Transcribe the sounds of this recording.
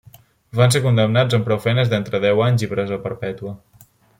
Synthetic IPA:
bansekund̪əmnad͡zəmpɾɔwfɛnəzd̪ent̪ɾəðɛwaɲzipɾɛzəpəɾpɛt̪uə

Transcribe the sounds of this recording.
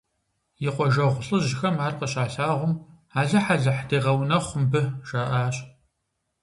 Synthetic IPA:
jɪqʷɔʒɐʁʷʊɬʼɨʑɪxɐmaːrqəɕʼaːɬaːʁʷʊm | aːɮɐħaɮɐħdeːʁɐwnɐχʷʊmbɨʒ̥aːʔaːɕʼ

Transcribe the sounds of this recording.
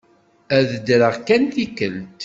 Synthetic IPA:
æðəd̪ɾəʁkænθikəlt̪

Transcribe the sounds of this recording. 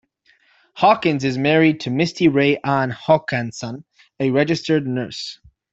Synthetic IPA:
hɑkɨ̃nzɪzmɛɹid̚tʰɨmɪstiɹeɪʔãnhɔkʰæ̃nsə̃n | ɨɹɛd͡ʒɨstə˞dⁿnɜ˞s

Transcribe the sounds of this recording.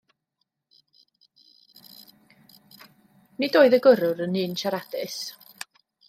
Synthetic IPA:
nidoːɨðəɡəɾʊɾənɨːnʃaɾad̥ɨs

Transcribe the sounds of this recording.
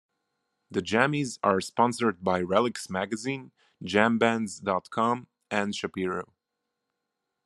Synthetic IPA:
ðɨd͡ʒæmizaɹspɑ̃nsə˞d̚baɪɹɛlˠɪksmæɡɨzĩn | d͡ʒæ̃mbæ̃nzdɑtkʰɑm | ʔɨ̃nʃapiɹoʊ

